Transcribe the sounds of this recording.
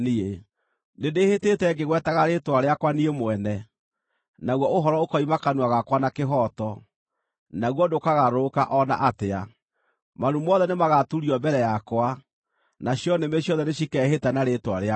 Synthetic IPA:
nie | nedehetetɛɡeɣwɛtaɣaɾetwaɾeakwaniemwɛnɛ | naɣwɔoɦɔɾɔokɔimakanwaɣakwanakeɦɔtɔ | naɣwɔdokaɣaɾokaʔɔna̰ʔatea | manumɔðɛnemaɣatuɾiɔmbɛɾɛjakwa | naɕjɔnemeɕjɔðɛneɕikɛɦetanaɾetwaɾea

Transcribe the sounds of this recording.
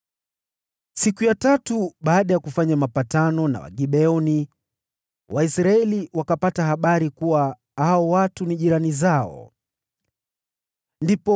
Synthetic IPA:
sikujatatuɓaːɗajakufaɲamapatanɔna̰wa̰ɠiɓɛɔni | wʔaisɾaɛliwakapataɦaɓaɾikuwa | haɔwatuniʄiɾanizaɔ̰ | ndipɔ

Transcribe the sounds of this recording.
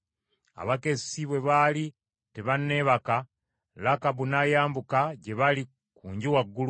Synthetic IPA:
a̰βake̞siβwe̞βali | te̞βanːe̞ːβaka | lakaβunajaːmbukaɟe̞βali | kuːɲɟiwaɡːulu

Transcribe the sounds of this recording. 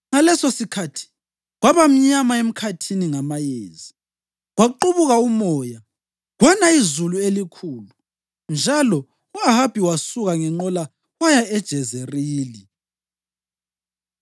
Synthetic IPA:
ŋalɛsosikʰatʰi̥ | ɣwaβam̩ɲamaem̩kʰatʰiniŋamajeːzi | ɣwaǃuβuɣaumɔːja | ɣwanaizuluelikʰuːlu | nd͡ʒʱalɔ | uaɦab̥ʱiwasuɣaŋɛŋ͡ǃɔla | wajaɛd̥ʒ̥ʱɛzeriːli

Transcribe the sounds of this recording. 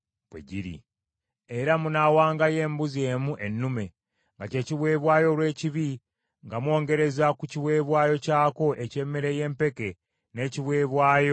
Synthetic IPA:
β̥wḛɟiɾḭ | e̞ɾamunaːwaːŋɡaje̞ːmbuze̞ːmuʔe̞nːume̞ | ŋɡace̞ːciβwe̞ːβwaːjo̞lwe̞ːciβi | ŋɡamwo̞ːŋɡe̞ɾe̞zakuciβwe̞ːβwaːjo̞caːko̞ʔe̞ce̞mːeɾe̞je̞ːmpe̞ke̞ | ne̞ːciβwe̞ːβwaːjo̞

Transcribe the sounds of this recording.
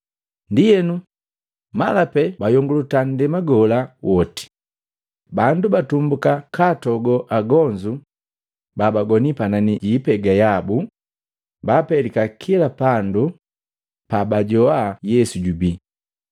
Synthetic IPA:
ndijɛnu | malapɛbajɔŋɡulutan̩dɛmaɡɔlawɔti̥ | bandubatumbukakatɔɡɔʔaɡɔɲd͡ʒu | babaɡɔnipananiɟipɛɡajabu | bapɛlikakʰilapandu | pabaɟɔajɛsuɟubi

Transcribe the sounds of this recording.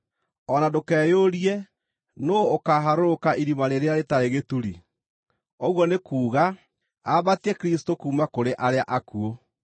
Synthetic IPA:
ɔnadokɛːjoɾiɛ | noːkaɦaɾoɾokaʔiɾimaɾeɾeaɾetaɾeɣetuɾi | ɔɣwɔnekuːɣa | aβatiɛkɾistokuːmakoɾeʔaɾeaʔakuo

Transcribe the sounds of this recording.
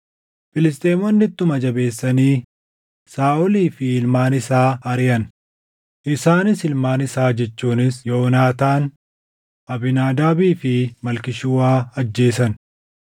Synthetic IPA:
fɪlɪst̪ʼeːmɔnːɪt̪ːʊmɐd͡ʒɐbeːsːɐniː | saːʔɔliːfɪɪlmaːnɪsaːɐɾɪjɐn | ʔɪsaːnɪsɪlmaːnɪsaːd͡ʒɛt͡ʃːuːnɪsjoːnaːt̪aːn | ʔɐbɪnaːd̪aːbiːfɪmɐlkɪʃʊwaːɐd͡ʒːe̞ːsɐn

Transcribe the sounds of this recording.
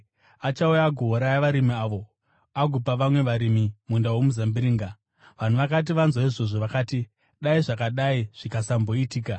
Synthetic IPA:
at͡ʃaujaɡʱoɦːɾajaʋaɾimiaʋo̞ | aɡʱupaʋamwe̞ʋaɾimimundawomuzambiɾiːŋɡa | ʋan̤uʋakat̬iʋanzwaiʐo̞ʐo̞ʋakaːti | ɗaiʐakaɗaiʐ̥ikasambo̞itiːka

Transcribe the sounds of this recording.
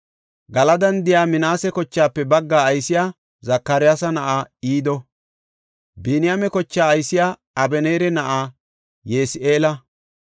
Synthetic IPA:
ɡɐlɐd̪ɐnd̪ɪjaːmɪnaːsɛkɔt͡ʃːaːpːɛbɐɡːaːjsɪjaː | zɐkːɐɾɪjaːsɐnɐʔaːiːd̪ɔ | binɪjaːmɛkɔt͡ʃːaːjsɪjaː | ɐbɛneːɾɛnɐʔaː | jeːsʔeːlɐ

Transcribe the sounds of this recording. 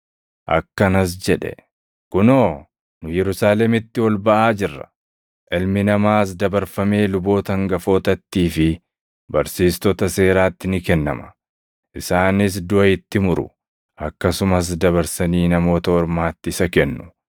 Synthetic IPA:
ʔɐ̰kːɐnɐs̬d͡ʒɛᶑɛ̰ | kʊnoː | nʊjɛɾʊsaːlɛmɪt̪ːɪwɔlbɐʔaːd͡ʒɪrːɐ̥̰ | ʔɪlmɪnɐmaːs̬d̪ɐbɐɾfɐme̞ːlʊbo̞ːt̪ɐŋɡɐfo̞ːt̪ɐt̪ːiːfɪ | bɐɾsiːst̪ɔt̪ɐse̞ːɾaːt̪ːɪnɪkɛnːɐ̰mɐ̥ | ʔɪsaːnɪs̬d̪ʊʔɐɪt̪ːɪmʊɾʊ̰ | ɐkːɐsʊmɐs̬d̪ɐβɐɾsɐniːnɐmo̞ːt̪ɐɔɾmaːt̪ːɪsɐkɛnːʊ̥

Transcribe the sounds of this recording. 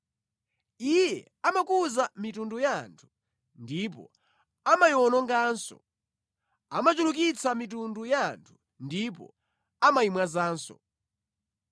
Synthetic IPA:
ijɛ | amakuzamitundujantʰu̥ | ndip̬ɔ̰ | amajɔnɔŋɡaːnsɔ̰ | amat͡ʃuluk̬it͡samitundujantʰu̥ | ndip̬ɔ̰ | amaimwazaːnsɔ̰

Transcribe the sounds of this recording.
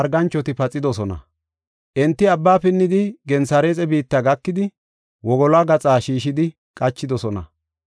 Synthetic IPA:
ɾɡɐnt͡ʃːɔt̪ɪpɐt͡sʼːɪd̪ɔsɔnɐ̰ | ʔɛnt̪ːɪɐbːaːpɪnːɪd̪ɪɡɛnsɐɾe̞ːt͡sʼɛbiːt̪ːɐɡɐkːɪd̪ɪ | wɔɡɔlaɡɐt͡sʼaːʃiːʃɪd̪ɪ | kʼɐt͡ʃːɪd̪ɔsɔnɐ̰

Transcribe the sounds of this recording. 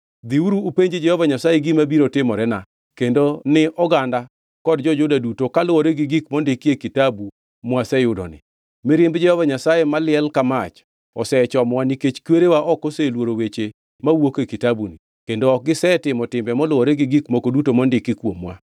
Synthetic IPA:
d̪iuɾuːpeɲd͡ʒed͡ʒɛhɔvaɲasajeɡimabiɾotɪmɔɾɛna | kendonɪʔɔɡanda | kɔdd͡ʒɔd͡ʒʊdadutokalʊwoɾeɡɪɡikmɔndɪkiekitabu | mwasɛjʊdɔ̰nɪ̰ | mɪɾjembd͡ʒɛhɔvaɲasajemalɪɛlkamat͡ʃ | ɔsɛt͡ʃɔmwaniket͡ʃkweɾewaʔɔkoselwoɾowet͡ʃe | mawokekitabuni | kendoɔk̚ɡɪsɛtɪmɔtɪmbɛmɔlʊwɔɾɛɡɪɡikmokodutomɔndɪkːɪkwomwa̰

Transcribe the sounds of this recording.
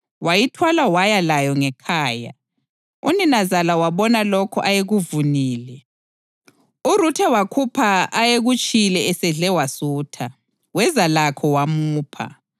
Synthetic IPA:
wajitʰwalawajalajɔŋɛkʰaːja̰ | ṵninazalawaβɔnalɔkʰɔʔajeɣuvuniːlɛ | urutʰɛwakʰupʰaːjeɣut͡ʃʼilɛɛsɛɮɛwasuːtʰa | wɛzalakʰɔwamuːpʰa̰

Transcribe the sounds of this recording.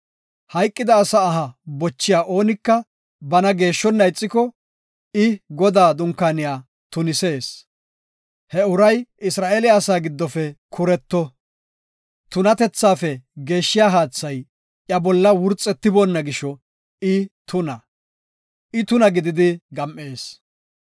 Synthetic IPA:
hɐjkʼːɪd̪ɐːsaːɦɐbɔt͡ʃːɪjaːʔo̞ːnɪkːɐ | bɐnɐɡe̞ːʃːɔnːɐjt͡sʼːɪkɔ | ɪɡɔd̪aːd̪ʊŋkːaːnɪjaː | t̪ʊnɪse̞ːs | hɛʊɾɐjɪsɾaːʔeːlɪaːsaːɡɪd̪ːɔfɛkʰʊɾɛt̪ːɔ | t̪ʊnɐt̪ɛt͡sːaːfɛɡe̞ːʃːɪjaːɦaːt͡sːɐj | ʔjɐbɔlːɐwʊɾt͡sʼɛt̪ːɪbonːɐɡɪʃɔ | ɪt̪ʰʊnɐ | ʔɪt̪ʊnɐɡɪd̪ɪd̪ɪɡɐmʔe̞ːs

